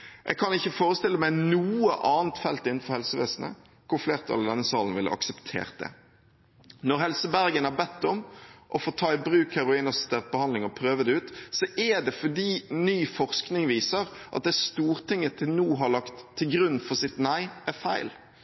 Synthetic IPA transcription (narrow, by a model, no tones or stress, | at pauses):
ʔɛ̰ɡ̚kʰɑnɪçːəfoːɾəst̪ɪlːəmæɪnuːəʔɑːnt̪fɛlt̪ɪnn̩fɔɾhɛlsəʋḛːsnə̰ | kʰʊɾfleːʁt̪ʰɑ̰lɪd̪ɛnːəsɑːlənʋɪlʔə̰ɑ̰ksəpt̪ʰḛːʁt̪̚d̪ɛ̰ | nɔɾhɛlsəbæɾɡənæɾbɛt̪ːɔmʔɔfoːt̪ʰɑːɪbɾʉːkhæɾʊiːnəst̪eːt̪̚bəhɑnd̪lɪŋɔpʰɾøːʋəd̪ɛʉːt̪sɔʔɛɖ̪ɛfɔɖiːnyːfɔʁsknɪŋʋiːsəɾ | ʔɑt̪̚d̪ɛst̪uːʁt̪ʰɪŋːət̪ʰɪlnuːɦɑɭɑkt̪ʰːɪlɡɾʉnːfɔʁsɪt̪næɪʔæɾfæɪl